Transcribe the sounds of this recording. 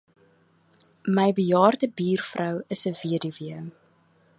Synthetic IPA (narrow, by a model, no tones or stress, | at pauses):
məjbəjɑːrdəbiːrfrʔəwəsəviədiviəm